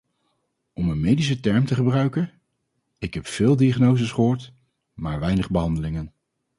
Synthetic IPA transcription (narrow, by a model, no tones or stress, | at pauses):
ɔmənmejdis̬ətɛɹmtəχəbrœɥkən | ɪkɦɛpfɪːlˠdiaχnowzəsχəɦoːɹt | maːɹʋɛjnəχbəɦɑndəlɪŋən